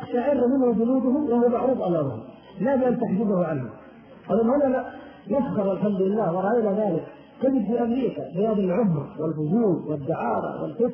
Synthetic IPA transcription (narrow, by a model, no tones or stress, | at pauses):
ataʕɪɾːmɪnhʊd͡ʒʊnuːd̪ʊhʊwahuwmaʕɾuːbʔɑlɑːla̰hʊ̰ | laːbɪʔant̪aħd͡ʒɪbahʊʕanhʊ̰ | qɑluːlhʊnaa | naskɑɾˤalħamd̪ɪlːaːhwɪɾˤɑʔajnaðaːlɪk | kad̪ɪbfiːʔamɾiːkabɪjaːd̪alʕʊmɾwɪlfʊduːlwɪd̪ːɪʕɑːɾˤɑ̰wɪ̰lfɪt̪